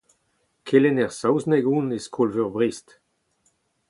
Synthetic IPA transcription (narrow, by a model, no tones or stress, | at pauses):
kʰelɛnɛʁsawznɛɡuːneskʰolvøʁbʁist